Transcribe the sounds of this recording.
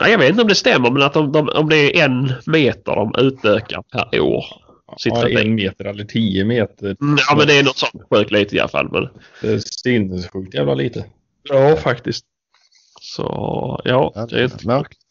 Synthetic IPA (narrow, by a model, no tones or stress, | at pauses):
ʔa̰jɑɡeːt̪ɪnt̪ɔmd̪ɛst̪ɛmːəɾmɛnat̪̚d̪ɔmd̪ɔmɔ̰md̪ɛæɾʔɛnmeːt̪ə̰dɔ̰mʔʉ̟ːt̪øːka̰ɾpʰæɾo̰ːɾ | sɪt̪ːɾanmeːt̪əɾɛlːəʈʰiːəmeːt̪əjɑːmɛnd̪ɛːnɔt̪sɔnt̪ɧøːkliːt̪əɪa̰lafa̰lmʔɛ̰nd̪ɛsʏnəsɧʉ̟ːk̚t̪jæːvlaliːt̪ə | jɑːfakt̪ɪst̪ | sɔ̰jɑ̰ːd̪ɛ̰ɪnt̪əɔk̪